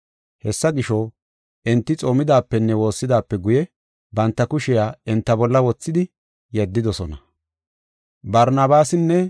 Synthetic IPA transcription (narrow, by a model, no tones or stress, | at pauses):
hɛsːɐɡɪʃɔ | ʔɛnt̪ːɪt͡sʼo̞ːmɪd̪aːpːɛnːɛwo̞ːsːɪd̪aːpːɛɡʊjɛ | bɐnt̪ːɐkʊʃɪjaːɛnt̪ːɐbɔlːɐwɔt͡sːɪd̪ɪ | jɛd̪ːɪd̪ɔsɔnɐ | bɐɾnɐbaːsɪnːɛ